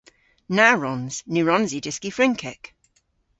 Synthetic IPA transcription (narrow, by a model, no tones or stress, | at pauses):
naɹɔnz̥nʉɹɔnzidɪskifɹɪ̃ŋkʰɪ̰k